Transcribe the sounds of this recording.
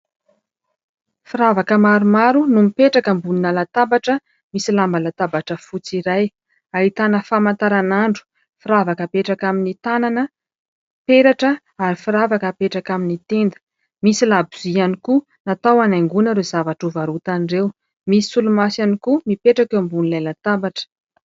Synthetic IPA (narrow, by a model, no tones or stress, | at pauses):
fiɾavakəmaɾumaɾunumipeʈ͡ʂakəmbuninalat̪abaʈ͡ʂə | misilambalat̪abaʈ͡ʂəfut͡siɾaj | aɦit̪anəfamant̪aɾanaɳɖ͡ʐu̥ | fiɾavakəpeʈ͡ʂakaminit̪ananə | peɾaʈ͡ʂə | aɾifiɾavakəpeʈ͡ʂakaminit̪end̪ə̥ | misilabuzianiku | nat̪awanaŋɡunəɾezavaʈ͡ʂuvaɾut̪anɖ͡ʐew | misi̥sulumasanikumipeʈ͡ʂakambunilajlat̪abaʈ͡ʂə̥